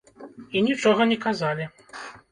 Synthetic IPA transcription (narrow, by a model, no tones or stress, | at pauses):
inʲit͡ʂɔɣɐnʲɛkazalʲi